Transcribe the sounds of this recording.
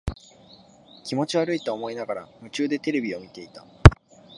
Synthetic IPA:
kʲimo̞t͡ɕiβaɾɯ̟it̪oːmo̞inaɡaɾa̰mɯ̟t͡ɕɨːd̪e̞t̪e̞ɾe̞bʲio̞mʲit̪e̞it̪a

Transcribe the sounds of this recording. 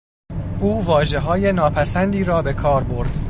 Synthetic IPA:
ʔuːvɒːʒe̞ɦɒːje̞nɒːpʰæsænd̪iːɾɒːbe̞kʰɒːɾbo̞ɾd̪̥

